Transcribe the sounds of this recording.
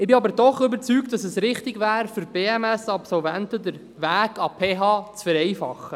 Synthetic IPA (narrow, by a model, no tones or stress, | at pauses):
ɪbɪɑbəɾdɔχʏbəɾt͡syːk̚t̚dɑsəsɾɪχtɪɡvæːɾfʏɾb̥eːɛmɛsɑpsɔlvɛntəd̪əɾ | væːɡɑpʰeːɦɑːt͡sfəɾɛjfɑ̰χːə